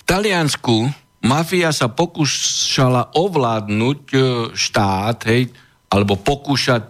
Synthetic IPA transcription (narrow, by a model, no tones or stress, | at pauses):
ft̪alɪansku | mafiasapɔkuːʃalaʔɔʋlaːd̪nuːcʃt̪aːt̪ɦɛj | ʔalɛbɔpɔkuːʃac̚